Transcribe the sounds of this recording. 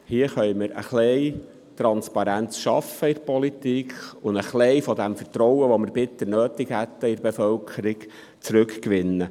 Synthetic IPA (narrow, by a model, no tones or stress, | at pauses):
hiəχœjməɾə̰χlɛj | tɾɑnspɑɾænt͡sʃɑ̰fəɪɾpɔlitiːkʰʊndəχlɛɪfɔd̪ɛmfəɾtɾɔwəʋɔməɾb̥ɪt̪ːənøːt̪ɪkhæt̪ːəɪɾbefœlkʰəɾɪɡ | t͡sɾʉkkʋɪnːə